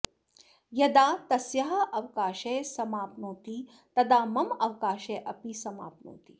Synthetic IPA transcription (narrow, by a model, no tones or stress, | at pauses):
jɐd̪aːt̪ɐsjɐɦɐʔɐʋkaːʃeːsɐmaːpnoːt̪i | t̪ɐd̪aːmɐmɐʋkaːʃeːʔɐpisɐma̰ːpno̰ːt̪i